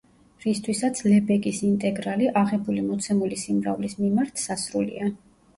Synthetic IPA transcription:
ɾist̪ʰwisat̪sʰlɛbɛkʼisint̪ʼɛɡɾaliʔaʁɛbulimɔt̪sʰɛmulisimɾa̰vlismimaɾt̪ʰsasɾulḭa

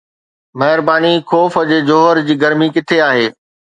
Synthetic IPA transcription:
mɐɦɪɾbaːnikʰoːfəd͡ʑeːd͡ʑoːɦəɾd͡ʑiːɡɐɾmikɪt̪ʰeaːɦeː

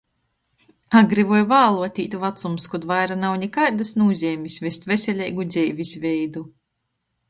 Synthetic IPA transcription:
aɡɾivɔjvaːlˠuɔt̪ʲiːt̪ʲvat̪sumskud̪vajɾanawnʲɛkaːd̪asnuːzʲɛːmʲisʲvʲɛsʲt̪vʲɛsʲɛlʲɛjɡud̪zʲɛjvʲisʲvʲɛjd̪u

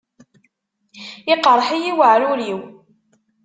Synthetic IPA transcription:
ɪqɾˤħijiwəʕɾʊɾiw

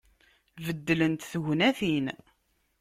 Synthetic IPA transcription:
vəd̪ːlənt̪θəʝnæθin

